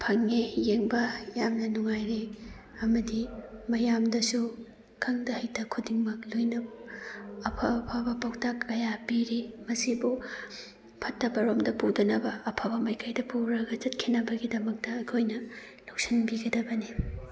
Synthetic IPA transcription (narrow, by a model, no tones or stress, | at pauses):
pʰɐŋejeŋbɐjamnɐnuŋajɾe | ɐmɐdimɐjamdɐsu | kʰɐŋdɐhɐjtɐkʰudiŋmɐklojnɐb | ɐpʰɐpʰabɐpawtʰakːɐjapiɾimɐsibu | pʰɐtːɐbɐɾomdɐpudɐnɐbɐːpʰabɐmɐjkʰajdɐpuɾɐɡɐt͡ʃɐt̚kʰinɐbɐɡidɐmɐk̚tɐɐkʰojnɐ | lok̚sinbiɡɐdɐbɐni